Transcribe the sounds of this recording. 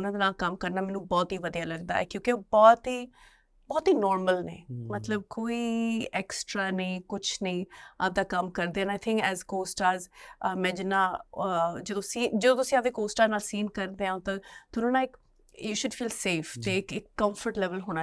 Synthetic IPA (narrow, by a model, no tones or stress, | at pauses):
ʊnãːd̪eːnaːlkəmkəɾnaːmɛːnũːbɔːt̪ɦiːʋəd̪ijaːləɡd̪a̰ːɛ̰ːkjõːkeoːbɔːt̪ɦiː | bɔːt̪ɦiːnɔːɾməlnḛ̃ːmət̪ləb̚koːiːɛːksʈɾaːnəĩːkʊt͡ʃʰnəĩːad̪aːkəmkəɾd̪eːɛ̃naːɪt̪ʰɪ̃ŋkɛːzkoːsʈaːɾzmɛ̃ːd͡ʒɪnːãː | d͡ʒəd̪õːsĩːd͡ʒəd̪õːt̪ʊsĩːabd̪eːkoːsʈaːɾnaːlsiːnkəɾd̪eːɦãt̪ãt̪ʊnõːnãːɪk | juːʃʊɖfiːlseːft̪ekɪkːəmfʰəɾʈlɛːʋəlɦoːñaː